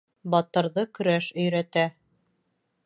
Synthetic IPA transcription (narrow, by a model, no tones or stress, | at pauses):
bɑt̪ɤ̆ɾðɤkɵ̆ɾæʃɵ̆jɾæt̪æ